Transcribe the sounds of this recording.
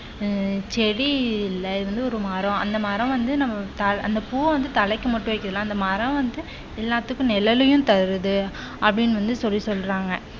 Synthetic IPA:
t͡ʃɛɽiɪlːɐɪðɯɾɐnd̪ɯɔɾɯmɐɾɔ̃ɐ̰nd̪ɐmɐːɾɐ̃ʋɐnd̪ɯnɐmːɐt̪ɐɐnd̪ɐpuːɐʋɐnd̪ɯt̪ɐlɛɪkːɯmɐʈːɯ̃ʋɐɪkːɯðɯlãːɐnd̪ɐmɐɾɐ̃ʋɐnd̪ɯ | ɛlːaːt̪ːɯkːʊ̃nɛlɐlɯjʊ̃t̪ɐɾɯðɯ | ɐpːɐɽɪnːʋɐnd̪ɯsɔlːisɔlːɾaːŋɡɐ

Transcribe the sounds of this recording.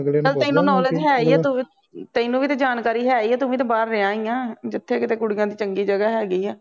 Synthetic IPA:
əlɛ̃ĩːnũːnɔːləd͡ʒɦɛːiːɛːt̪ʊ | t̪ɛ̃inũːʋiːt̪eːd͡ʒaːnkaːɾiːɦɛːiːɛːt̪ʊʋẽːt̪ẽːbaːɾːɪãːĩːãːd͡ʒɪt̪ʰːeːkɪt̪eːkʊɽɪjãːd̪iːt͡ʃəŋɡiːd͡ʒəɡaːɦɛːɡiːɛː

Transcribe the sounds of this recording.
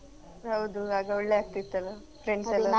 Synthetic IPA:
ɦɐwd̪uaːɡɐuɭːeaːɡ̚t̪it̪ːɐlɐ | fɾeɳssɐlːɐ

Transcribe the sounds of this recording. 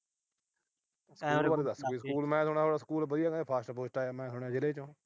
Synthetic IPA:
səkuːlaːleːd̪əsɡoiːskuːlmɛ̃ːsʊɽ̃aːt̪oːɽaːsə̥kuːlbəd̪ijaːɡeːpʰaːsʈpoːsʈaːjaːmɛ̃ːsʊɳjaːd͡ʒɪleːt͡ʃõː

